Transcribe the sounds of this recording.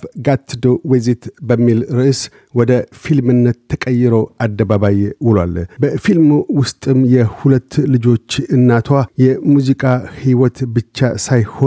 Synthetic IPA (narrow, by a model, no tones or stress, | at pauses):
fɡat̪ʰːɨd̪owezet̪bəmːilɾɨʔs | wɔd̪əfilmɨnːət̪ʰːəkʼəjːɪɾowad̪ːəβaβajwɨlwa̰lbəfilmwʊst̪ʼɨmjɛhulət̪ːlɨd͡ʒo̞t͡ʃːɨnːat̪ʰwajɛmuzikʼahiwɔt̪bɨt͡ʃːa̰sajho